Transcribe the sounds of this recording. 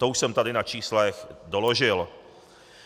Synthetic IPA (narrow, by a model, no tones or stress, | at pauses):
t̪ouʃsɛmt̪adɪnat͡ʃiːslɛxdolo̞ʒɪl